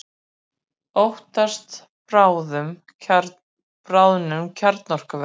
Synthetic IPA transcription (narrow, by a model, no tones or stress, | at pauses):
owht̪ast̪ | pɾaːwðʏm | pɾaːwðnʏmcʰaɾt̪nɔr̥kavɛ